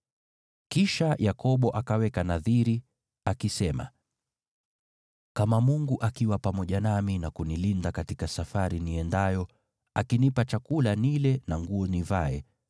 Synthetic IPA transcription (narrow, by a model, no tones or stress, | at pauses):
kiʃajʔakɔɓɔʔakawɛkanaðiɾi | akisɛma̰ | kamamuŋɡuʔakiwapamɔʄanaminakunilindakatikasafaɾiniɛndajɔ | akinipat͡ʃakulanilɛnaŋɡuɔnivaɛ